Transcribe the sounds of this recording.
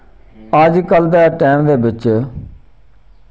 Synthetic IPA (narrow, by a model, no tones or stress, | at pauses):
əd͡ʒkəld̪ɛːʈɛːmd̪eːbɪt͡ʃ